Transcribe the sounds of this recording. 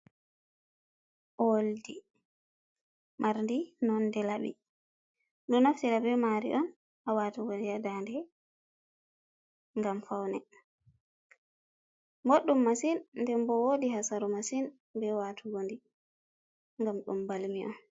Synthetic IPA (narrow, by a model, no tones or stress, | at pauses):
ʔoldi | mʔaɾndinɔndɛlaɓḭ | ɗɔnaftiɗabɛmaɾḭʔɔn | ʔawatuɡondiadandɛ | ŋɡamfawnɛ | mboɗːumːasinndɛmbɔwodiɦasaɾumasin | bɛwatʰuɡondi | ŋɡamɗṵmbalmiʔɔ̰n